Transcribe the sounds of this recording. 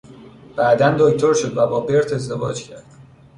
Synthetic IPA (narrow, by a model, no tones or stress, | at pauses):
b̥æːd̪ænd̪oct̪ʰo̞ɾʃod̪væbɒːbe̞ɾt̪ʰe̞zd̪e̞vɒ̰ːd͡ʒcʰæɾd̪̥